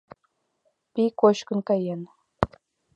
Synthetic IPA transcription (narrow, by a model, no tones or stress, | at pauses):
pʲikoɕkɤ̆nkɑjen